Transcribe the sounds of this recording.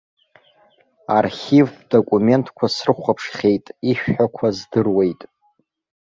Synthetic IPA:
a̰rχʲivdo̞kʷʼume̞ntʰkʷʰasrɨχʷapʰʂχʲejtʼiʃᶣħakʷʰazdɨrwe̞jtʼ

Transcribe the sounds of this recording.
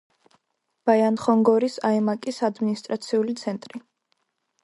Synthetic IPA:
b̥ajanχɔŋɡɔɾisaɛmakʼisad̪minist̪ʼɾat̪sʰiulit̪sʰɛnt̪ʼɾi

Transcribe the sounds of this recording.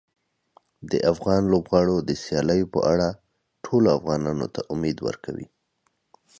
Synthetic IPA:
d̪əʔafɣɑnlobɣɑɽod̪əsjɑləjopə̰ʔaɽa | ʈʰoloafɣɑnɑno̰t̪aʔʊmed̪wə̰ɾkʰawḭ

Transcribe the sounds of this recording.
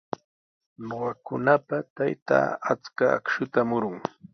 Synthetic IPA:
noɢɑkʊnapat̪ajt̪a̰ːat͡ska̰ːkʃʊt̪amʊɾʊŋ

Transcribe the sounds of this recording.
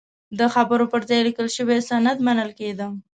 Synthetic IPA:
d̪əxabəɾopəɾzɑjlikəlʃəwesanad̪manəlked̪əm

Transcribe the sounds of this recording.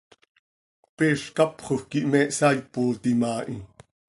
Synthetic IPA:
peːʃkɑpχoxkiʔmɛːʔsɑjpoːt̪imaːʔi

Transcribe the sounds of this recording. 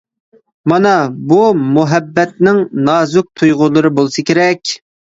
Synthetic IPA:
mɑnɑbumuɦɛbːɛt̪nɪŋnɑːzʊk̚t̪ʰujʁʊlˠɨɾɨbolˠsɨkʲʰeɾɛkʲ

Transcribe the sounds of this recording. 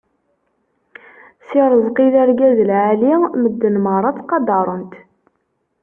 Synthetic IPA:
siɾˤəzˤqilæɾɡæzəlʕaliməd̪ːənməʁɾˤɑt̪qɑd̪ɑɾˤənt̪

